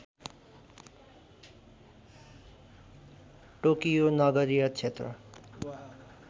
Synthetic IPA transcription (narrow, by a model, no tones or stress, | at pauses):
ʈokijonʌɡʌɾijʌt͡sʰet̪rʌ̰